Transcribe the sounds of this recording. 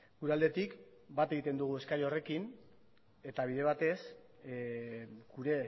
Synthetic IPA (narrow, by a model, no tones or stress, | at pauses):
ɡ̥uɾeald̪e̞t̪ik | bat̪e̞ɣit̪e̞nd̪uɣ̞ue̞skaɾiore̞kin | e̞t̪aβ̞iðe̞β̞at̪e̞s | ɡ̥uɾe̞